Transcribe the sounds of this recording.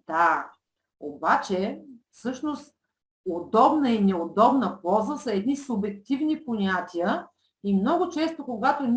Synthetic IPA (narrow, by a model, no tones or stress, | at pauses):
d̪̥a | obat͡ʃɛfsɤʃnost̪ | od̪ɔbnəinɛod̪ɔbnəpɔzəsɐɛd̪nisʊbɛk̚t̪ʲivniponʲat̪ʲijə | imnɔɡʊt͡ʃɛst̪okoɡat̪onʲ